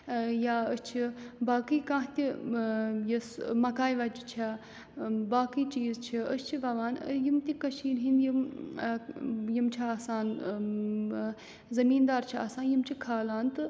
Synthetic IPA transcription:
jaːəst͡ʃʰibaːkiːkãːɦt̪i | jismɐkaːjʋɐd͡ʒt͡ʃʰa | baːkiːt͡ʃiːzt͡ʃʰiəst͡ʃʰiʋɐʋaːn̰jimt̪ʲikɐʃiːnɦind̪jim | jimt͡ʃʰiaːsaːn | zɐmiːnd̪aːɾt͡ʃʰia̰ːsaːnjimt͡ʃʰikʰaːlaːnt̪ɨ

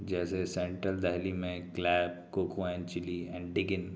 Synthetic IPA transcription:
d͡ʒɛːsesɛ̃ːɳʈɾəld̪ɛɦlimẽklɛːbkokʰoaːnt͡ʃɪliɛ̃ːɳɖɖɪɡɪn

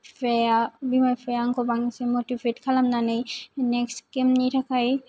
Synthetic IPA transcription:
fɛabimajfʰɛjaŋkʰɔbaŋsemotivetkʰalamnanajnɛkskemnitʰakʰaj

